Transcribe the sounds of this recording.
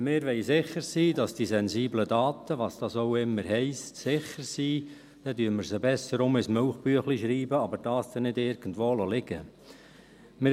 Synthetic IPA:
mɪːɾʋɛɪsɪχəɾsiːdɑsd̥isɛnziːblədɑːt̪əʋɑsd̥ɑsoʊɪmːəɾhɛɪstsɪχəɾsiː | d̥ɛdyəməɾsəbɛsəɾʊmɪsmœʊχb̥yəχliʃɾiːbəɑbəɾd̥ɑːsd̥ɛnɪdɪɾɡ̥ən̩dʋoːlolɪɡ̥ə̰ | mɪ

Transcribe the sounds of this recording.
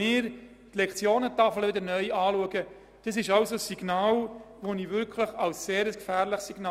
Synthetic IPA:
ɪːɾ | t̪lɛkχt͡sjoːnətɑfləʋɪdəɾnœʏɑːluəɡə | d̥ɑsɪʃɑwsosiɡ̥nɑːlʋoniʋʏɾkʰlɪχɑlsseːɾəskfæːɾlɪχsiɡ̥nɑː

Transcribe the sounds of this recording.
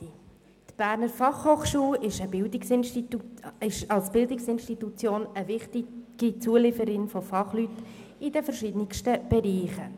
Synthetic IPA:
t̪b̥æːɾnəɾfɑχhoːχʃuːlɪʃəbɪldɪksɪnʃtiɪʃɑlsb̥ɪldɪksɪnʃtitut͡sjoːnəvɪχtɪɡ̥it͡suəlɪfəɾɪnfofɑχlyt | ɪdəfəɾʃɪdnɪkʃtəb̥ɛɾiːχə

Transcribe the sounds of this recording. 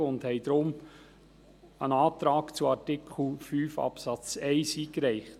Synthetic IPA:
ʊndhɛɪd̥̪ɾʊm | ənɑːt̪ɾɑːkt͡suɑɾtɪkʰχl̩fyːfɑ̰psɑt͡sɛɪsiːkɾɛɪχt

